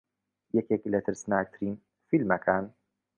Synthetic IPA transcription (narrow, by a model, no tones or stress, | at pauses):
jɛkɛkilɐt̪ʰɨɾsnaːk̚t̪ʰɾiːn | filmɐkʰan